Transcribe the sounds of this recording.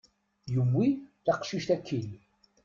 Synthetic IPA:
jəmːiθɑqʃiʃt̪ækʰːin

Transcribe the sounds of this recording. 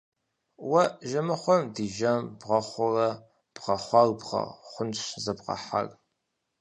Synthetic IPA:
wɐʒɐmɨχʷɔmdiːʒɐmbʁɐχʷʊrɐ | b̥ʁɐχʷɑrbʁɐ̰χʷʊnʃzɐbqɐ̰ħa̰r

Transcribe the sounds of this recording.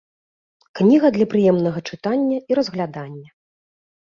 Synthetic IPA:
knʲiɣɐd̪lʲɐpɾɨjɛmnɐɣɐt͡ʂɨt̪anʲːɐiɾɐzɣlʲad̪anʲːɐ

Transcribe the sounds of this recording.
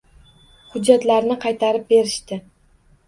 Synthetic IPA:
hʊd͡ʒːat̪laɾnɪqʰɑjt̪ʰaɾɪp̚be̞ɾɪʃt̪ɪ

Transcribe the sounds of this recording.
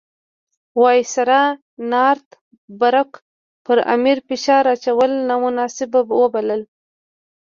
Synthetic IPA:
wɑjisaɾa | nɑɾt̪ | baɾak | pəɾa̰miɾpɪʃɑɾat͡ʃawəlnamʊnɑsɪbawəbaləl

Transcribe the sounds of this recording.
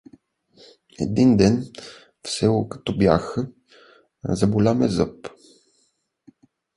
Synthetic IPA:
ɛ̰d̪ind̪ɛn | fsɛokɐ̥t̪ɔbja̰xə | zɐbolʲamɛzɤp

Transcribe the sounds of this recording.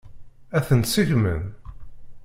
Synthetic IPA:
æθənt̪səʝmə̰n

